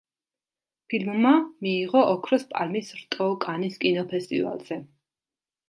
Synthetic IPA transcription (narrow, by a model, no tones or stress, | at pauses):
pʰilmːamiːʁɔʔɔkʰɾɔspʼa̰lmisɾt̪ʼɔkʼaniskʼinɔpʰɛst̪ʼḭva̰lˠz̥ɛ